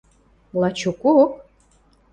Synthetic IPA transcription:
lˠɑt͡ɕukuk

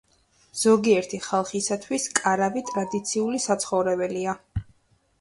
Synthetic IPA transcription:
z̥ɔɡiɛɾt̪ʰiχalˠχisat̪ʰwiskʼaɾavit̪ʼɾad̪it̪sʰiulisat̪sʰχɔvɾɛbɛlia

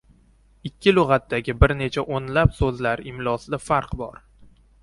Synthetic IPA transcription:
ɪkʲʰːɪlʊʁɑt̪ːaɡʲɪbɪɾne̞t͡ʃʰaʔonlapsɵzlaɾɪmlˠɒsɪd̪afaɾqbɒ̰ɾ

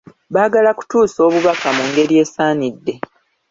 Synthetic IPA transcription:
βaːɡalaku̥tuːso̞ːβuβakamuŋɡe̞ɾije̞ːsaːnidːe̞

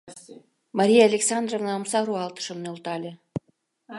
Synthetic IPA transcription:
mɑɾʲijaalʲeksɑnd̪rovnɑəmsɑɾuɑlt̪ə̥ʃɤ̆mnʲeulˠt̪ɑlʲĕ

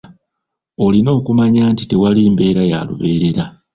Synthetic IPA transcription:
olino̞ːkumaɲaːntite̞waliːmbe̞ːɾaja̰ːlṵβe̞ːɾe̞ɾa

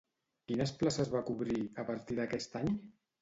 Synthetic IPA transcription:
kinəsplasəzβakuβɾiəpaɾt̪iðəkɛst̪aɲ

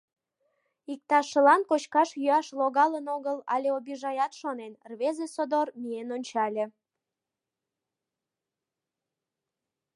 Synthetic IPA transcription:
ik̚t̪ɑʃəlɑnkot͡ɕkɑʃjyɑʃloɣɑlənoɣəlɑlʲeobiʒɑjɑt̪ʃonenrβezesod̪ormienonʲt͡ɕɑlʲe

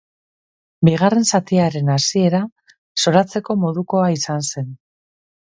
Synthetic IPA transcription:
biɣare̞nsat̪iaɾe̞nasie̞ɾa | so̞ɾat͡se̞ko̞mo̞ðuko̞aisanse̞n

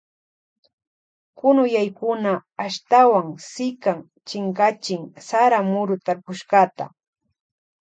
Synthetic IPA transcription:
kʊnʊjajkʊnaːʃt̪awaŋsɪkaŋ | t͡ʃɪŋkat͡ʃɪŋsaɾamʊɾʊt̪aɾpʊʃɢat̪a̰

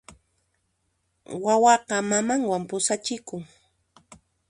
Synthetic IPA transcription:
wawɑqɑmamaŋwampʊsat͡ʃɪkʊŋ

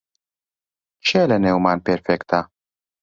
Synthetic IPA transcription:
t͡ʃɛːlɛnɛwmɐːnpɛɾfɛkt̪ɐ

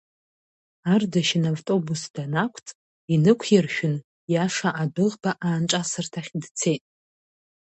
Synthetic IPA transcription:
ardaʃɪnavtʼo̞busd̥anakʷʰt͡sʼ | inɨkʷʰjarʃᶣʊn | jaʂaʔadɨʁbaʔaːnʈ͡ʂʼasɨrtʰaχʲdt͡sʰe̞jtʼ

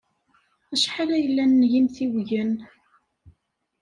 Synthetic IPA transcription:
æʃħalæjəlːænːʝimθiwʝən

